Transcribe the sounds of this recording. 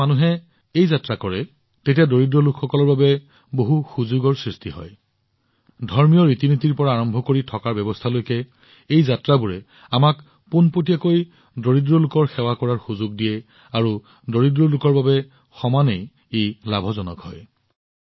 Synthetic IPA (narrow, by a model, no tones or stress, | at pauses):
anuɦɛ | ejzatɹakɔɹɛ | tetijadoɹidɹɔlukʰxɔkɔlɔɹbabɛ | boɦuxuzuɡɔɹsɹistʰiɦɔ̰j | dʱɔɹmijɔɹitinotiɹpɔɹaːɹɔmbʱɔkoɹitʰɔkaɹbɛbɔstʰalojkɛ | ejzatɹabuɹɛ | amak | punpotijakoj | doɹidɹɔlʊkɔɹxɛwakɔɹaɹxuzuɡ̚dijɛ | aɹu | doɹidɹɔlʊkɔɹbabɛ | xɔmanej | ejlabʱɔzɔnɔ̰khɔj